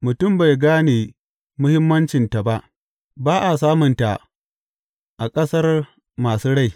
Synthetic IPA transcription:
mʊ˨tʊ˦˨mba˨jɡaː˦neː˨ | mʊ˦hɪ˦mːɐ˦nt͡ʃɪ˨nta˨ba˦ʔ | baː˦ʔa˨saː˦mʊ˨nta˨ | ʔa˨kʼɐ˦sɐ˦r | maː˨suː˦ɽa˦j

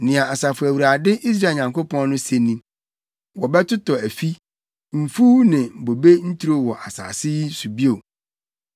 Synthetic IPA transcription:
nɪ̃˨ã˨a˨sa˨fʊ˨æ˨wu˨ɾa˨dɪ˦ʔi˦s̬ɾa˦˨ɲã˨ŋko˦pʰɔ̃˦n˦nʊ̃˦se˦nĩ˦ | wɔ˨bɛ˦tʊ˦tʰɔ˨æ˨fi˦ | m̩˨fu˦nɪ̃˨bo˨be˦n̩˦tʰu˦ɾo˦wɔ˨ʔa˨sa̰ː˨sɪ˦i˦su˨bi˦o˨

